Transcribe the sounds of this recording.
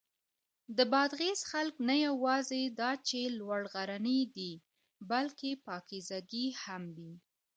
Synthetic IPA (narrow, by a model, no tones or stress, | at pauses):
d̪əbɑd̪ɣezxalknajawɑzed̪ɑt͡ʃelwaɽɣaɾanəd̪i | balkepɑkezaɡihamwi